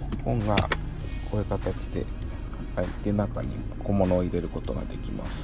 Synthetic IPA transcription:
kõ̞ŋɡa̰ | koekat̪at͡ɕi̥d̪e̞̰ | ait̪ːenaka̰ɲ̟ḭkʰo̞mo̞no̞ːiɾe̞ɾɯ̟ko̞t̪o̞ɡa̰d̪e̞kʲima̰sɨ̥

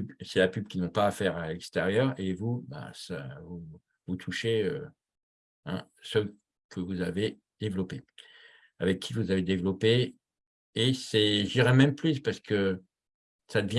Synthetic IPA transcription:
bsɛlapybkʲinɔ̃paːfɛʁalɛkst̪ɛʁjœʁevuba̰sa̰vu | vut̪ʰuʃeø | ɛ̰̃sø | kʰəvuzave | d̪̥evlɔpe | avɛkʰʲːivuzaved̪evlɔpeː | sɛʒd̪iʁɛmɛ̃mplyspaʁsə̥kə | sad̪əvjɛ̃

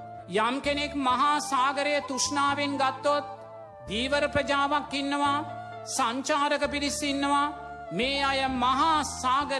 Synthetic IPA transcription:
jamkenekmɐɦaːsaːɡɐɾejɐt̪uʂnaːʋinɡat̪ːot̪̚ | d̪iːʋɐɾɐpɾɐd͡ʒaːʋakːinːɐʋa | saɲt͡ʃaːɾəkəpiɾisinːɐʋa | meːajɐmɐɦaːsaːɡə

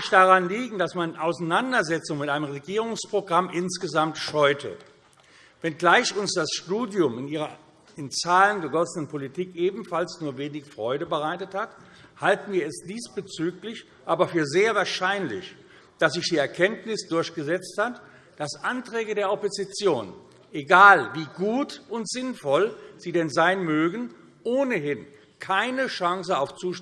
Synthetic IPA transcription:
çd̥aʁanliːɡŋ̩dasmanʔaʊsanandɐzɛt͡sʊŋmɪtʔaɪnəmʁeɡiːʁ̞ʊŋspʁ̥oɡʁamʔɪnsɡ̥əzamtʃɔʏtʰə̰ | vɛnɡlaɪçʊnsd̥asʃtuːdjʊmɪnʔiːʁɐ | ɪnt͡saːlənɡəɡɔsənənpʰolitʰiːkʔeːbm̩falsnuːɐveːnɪçfʁ̥ɔʏdəbəʁaɪtəthat | haltn̩viːɐɛsd̥iːsb̥ət͡syːklɪç | ʔaːbɐfyːɐzeːɐvaːɐʃaɪnlɪ̰ç | d̥aszɪçd̥iːɛɐkʰɛntnɪsd̥ʊɐçɡ̥əzɛt͡sthat | d̥asʔantʁ̥ɛːɡədeːɐɔpozit͡sjoːn | ʔeɡaːlviːɡuːtʔʊntz̥ɪnfɔlz̥iːdɛnzaɪnmøːɡən̩ | ʔoːnəɦɪn | kʰaɪnəʃaŋsəaʊft͡suːʃ

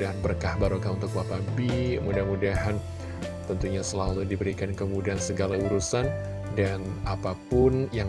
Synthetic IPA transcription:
daɦanbərkahbaɾukaunt̪ʊkwapabimudahmudaɦan | t̪ənt̪uɲasəlaludibəɾikankəmudaansəɡalauɾusan | danapapʊnjaŋ

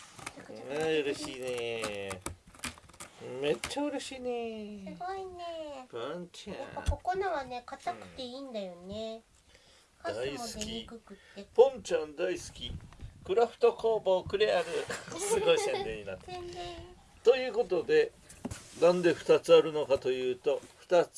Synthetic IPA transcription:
ɯ̟ɾeɕiːne | me̞t͡ɕːaɯ̟ɾe̞ɕiːneɨɡoinepãɲt͡ɕa̰jaako̞ko̞naβane̞kat̪akɯ̟̥t̪e̞iːnd̪ajo̞ne | d̪aisɨ̥kʲikɯkɯt̪ːepõ̞ɲ̟t͡ɕãnd̪aisɨ̥kʲikɯ̟ɾaɸɯ̟̥t̪o̞ko̞ːbo̞ːkɯ̟ɾeaɾɯ̟sɨɡoisat̪ẽɲːinat̪ːe | t̪o̞jɯ̟ːko̞t̪o̞d̪e̞ | nãnd̪e̞ɸɯ̟̥t̪at͡sɨaɾɯ̟no̞kat̪o̞jɯ̟ːt̪o̞ɸɯ̟̥t̪at͡s

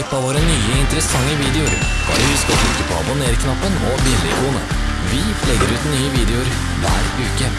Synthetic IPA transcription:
pːɑʋoːɾənyːəɪnt̪əɾəsɑŋːəʋiːd̪ɛʊɾ | d̥ɑ̰ːɾɪhʉskɔt̪ʰɾʉkəpʰɔ̰ɑ̰bʊneːɾkʰnɑpːənɔbɪnːəɪ̰kʰuːnə | ʋɪflɛɡːəɾʉːt̪nyːəʋiːd̪ɛʊɾ | ʋæ̰ːɾʉːkə

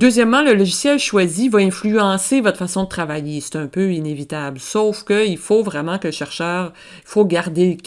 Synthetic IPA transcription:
d̪øːzjɛmːɑ̃ləlɔʒisjɛlʃwazivaɛ̃flyɑ̃sevɔt̪χfasɔ̃d̪ət̪χavajese̥t̪ɛ̃pøinevit̪ablsɔwfkʲəilfovʁɛmɑ̃kələʃɛʁʃœːʁ | ifoɡaʁd̪ekʲ

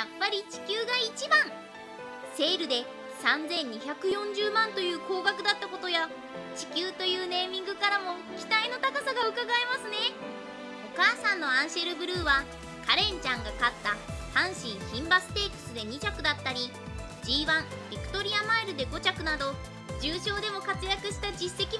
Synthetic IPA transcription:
japːaɾʲit͡ɕi̥kʲɨːɡait͡ɕibãŋ | se̞ːɾɯ̟d̪e̞ | sãnzẽ̞ɲ̟ɲːiçakɯ̟jõ̞ɲ̟d͡ʑɨːmãnt̪o̞jɯ̟ːko̞ːɡakɯ̟d̪at̪ːako̞t̪o̞ja | t͡ɕi̥kʲɨːt̪o̞jɯ̟ːne̞ːmʲĩŋɡɯ̟kaɾamo̞ | ɡʲit̪aino̞t̪akasaɡaɯ̟kaɡaemasɨne̞ | o̞kaːsãnːo̞ãɰ̃ɕeɾɯ̟bɯ̟ɾɯ̟ːβa | kaɾẽ̞ɲt͡ɕãŋɡakat̪ːahãɰ̃ɕĩɰ̃çĩmbasɨ̥t̪e̞ːkɯ̟̥sɨd̪e̞ɲ̟it͡ɕakɯ̟d̪at̪ːaɾʲi | d͡ʑiːβãmbʲikɯ̟̥t̪o̞ɾʲiamaiɾɯ̟d̪e̞ɡo̞t͡ɕakɯ̟nad̪o̞ | d͡ʑɨːɕo̞ːd̪e̞mo̞kat͡sɨjakɯ̟ɕi̥t̪ad͡ʑisːe̞kʲi

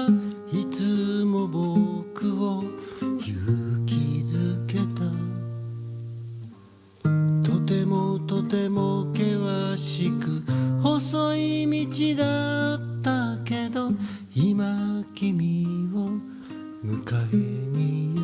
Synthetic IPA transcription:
it͡sɨmo̞bo̞kɯ̟o̞jɯkʲʰizɨke̞t̪a | t̪o̞t̪e̞mo̞t̪o̞t̪e̞mo̞ke̞βaɕikɯ̟ho̞so̞imʲit͡ɕid̪at̪ːake̞d̪o̞ | imakʲimʲio̞ | mɯ̟kaeɲ̟i

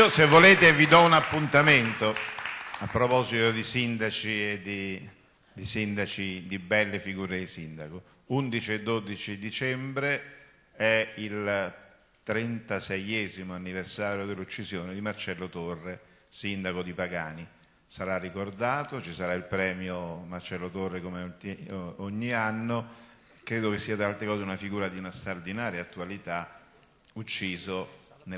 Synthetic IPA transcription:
osevːoleːt̪evid̪ɔunapːunt̪ament̪o | apːɾopɔzit̪od̪isind̪at͡ʃied̪i | d̪isind̪at͡ʃid̪ibɛlːefiɡuːɾed̪isind̪ako | und̪it͡ʃied̪ːod̪it͡ʃid̪it͡ʃɛmbɾe | ɛil | t̪ɾɛnt̪asɛjɛːzimoanːiversaːɾjod̪ɪlːut͡ʃːizjoːned̪imart͡ʃɛlːot̪orːe | sind̪akod̪ipaɡaːni | saɾarːikord̪aːt̪ot͡ʃisaɾailpɾɛːmjomart͡ʃɛlːot̪orːekomeo | oɲːianːo | kːɾeːd̪okesːiːat̪alt̪ɾekɔːzeunafiɡuːɾad̪iunast̪ɾard̪inaːɾjaat̪ːualit̪a | ut͡ʃːiːzon

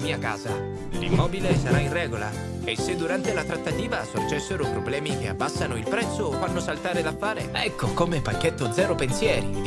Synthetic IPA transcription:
miːaka̰ːza | lḭmːɔːbilesaɾainrɛːɡola̰ | esːed̪ːuɾant̪elat̪ɾat̪ːat̪iːvasord͡ʒɛsːeɾopɾoblɛːmik̟ea̰bːasːanoilpɾɛt̪sːoːfːanːosalt̪aːɾed̪afːaːɾeɛkːokomepakːet̪ːod̪zɛːɾopensjɛːɾi

